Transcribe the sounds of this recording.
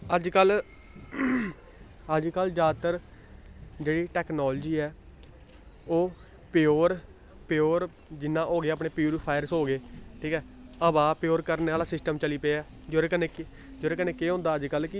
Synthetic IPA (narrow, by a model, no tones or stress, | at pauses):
əd͡ʒkəl | əd͡ʒkəld͡ʒjaːd̪t̪əɾ | d͡ʒeːɽiːʈɛːknɔːld͡ʒiːɛː | oː | pɪjoːɾ | pjoːɾ | d͡ʒɪnːãːʔoːɡeaːpnẽːpjuːɾɪpʰaːɪɾsɦoːɡeːʈʰiːkɛː | əbaːpjoːɾkəɾneːaːlaːsɪsʈəmt͡ʃəliːpeːɛː | d͡ʒoːɾekəneːk | d͡ʒoːɾeːkəneːkeːɦõːnd̪aːəd͡ʒkəlkɪ